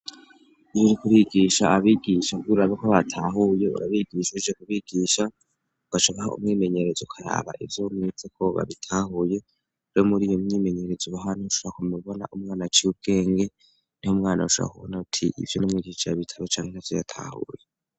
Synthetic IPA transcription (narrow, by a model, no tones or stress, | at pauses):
ijoɾikuɾiɡiʃaːβiɡiʃabɡuɾaβekoβatʰaɦujeṵɾaβiɡiːʃuiʒekuβiɡ̥iːʃa | uβ̥aʃaβahaṵmŋiːme̞ɲe̞ɾe̞zoukʰaɾa̰ːβa̰ʔivjomŋizekʰo̞βa̰βitʰaːhuje̞ | uɾomuɾijomɲiːme̞ɲe̞ɾe̞zoβaɦanihuʃoɾakumuβona̰ʔumŋaːnat͡ʃiub̚ɡe̞ːŋɡe̞ | nihomŋaːna̰uʃo̰a̰kuβonautʰiʔḭvjonomŋiːɡiʃajaβitʰḁβet͡ʃaːŋhenavjo̰ja̰tʰa̰hṵje